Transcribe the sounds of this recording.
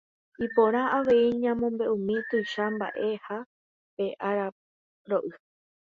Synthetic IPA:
ipõɾ̃ãaʋe̞iɲãmõ̞mbe̞ʔũmĩt̪ojʃamba̰ʔe̞ha | pe̞ʔaɾa | ɾoʔɨ

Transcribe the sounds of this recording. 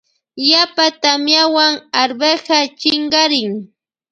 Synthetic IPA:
japat̪amjawaŋaɾbeɢat͡ʃɪɴɢɑɾɪŋ

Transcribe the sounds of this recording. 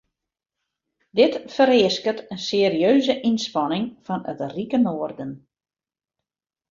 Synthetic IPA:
dɪtfəɾɪəskətənseəɾiøːzəʔinspɑnɪŋfɔnətrikənoːərdən

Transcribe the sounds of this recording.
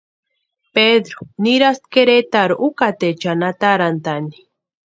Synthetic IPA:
peðɾuniɾast̪̚keɾet̪aɾuʔukat̪et͡ʃanat̪aɾant̪ani̥

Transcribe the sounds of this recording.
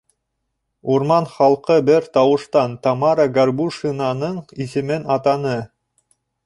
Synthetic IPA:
uɾmɑnχɑlˠqɤbɘɾt̪ɑwɤ̆ʃt̪ɑnt̪ɑmɑɾəɡɐrbuʃinɑnɤɴisɘ̆mɘnɑt̪ɑnɤ

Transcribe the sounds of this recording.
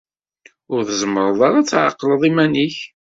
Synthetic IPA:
ʊɾθəzəməɾˤəðˤɑɾˤat͡sːʕa̰qːləðˤimæniç

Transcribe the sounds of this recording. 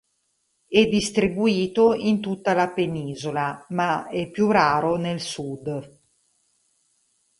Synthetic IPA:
ɛd̪ːist̪ɾibuiːt̪oint̪ut̪ːalapeniːzolamaɛpːjuraːɾonelsud̪

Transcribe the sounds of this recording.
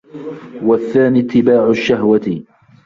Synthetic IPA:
waθːaːniːt̪ːɪbaːʕʊʃːahwat̪

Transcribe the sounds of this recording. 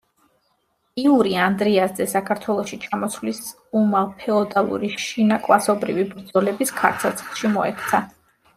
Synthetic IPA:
iuɾiand̪ɾiasd̪ɛsakʰaɾt̪ʰwɛlˠɔʃit͡ʃʰamɔslis | umalpʰɛɔd̪alˠṵɾiʃinakʼwasɔbɾivibɾd̪zɔlɛbiskʰa̰ɾt̪sʰat̪sʰlˠʃimɔɛ̰kʰt̪sʰa

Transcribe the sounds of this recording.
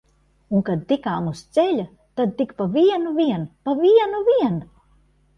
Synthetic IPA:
unkad̪̚t̪ikaːmust̪sɛlʲa | t̪ad̪̚t̪ikpaviɛnuviɛnpaviɛnuviɛn

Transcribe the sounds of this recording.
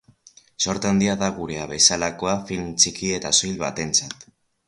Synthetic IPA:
so̞ɾt̪and̪iaðaɣuɾe̞aβe̞salako̞afilmt͡ʃikie̞t̪asojlβa̰t̪e̞nt͡sat̪

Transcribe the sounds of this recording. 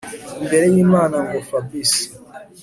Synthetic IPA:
imbeɾejiːmaːnaŋɡofabisi̥

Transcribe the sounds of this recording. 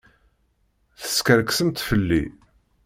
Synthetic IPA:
θə̥skəɾksəmt̪fəlːḭ

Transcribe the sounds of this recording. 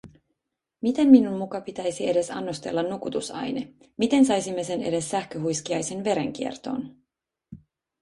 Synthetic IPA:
mit̪e̞mminunmukɑpit̪æjsie̞de̞sɑ̰nːost̪e̞̰lːɑnːukut̪usɑ̰jne̞ | mit̪e̞nsɑjsimːe̞se̞ne̞̰de̞sːæhkøɦujskiɑjse̞nʋe̞ɾe̞̰ŋk̟iert̪o̞̰ːn

